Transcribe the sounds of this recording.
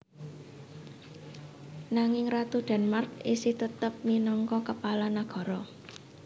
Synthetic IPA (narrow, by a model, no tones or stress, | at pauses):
naŋɪŋrat̪uɖ̪̥a̤nmark̚isɪht̪ət̪əp̚minɔŋkɔkəpalanaɡ̥ɔ̤ɾɔ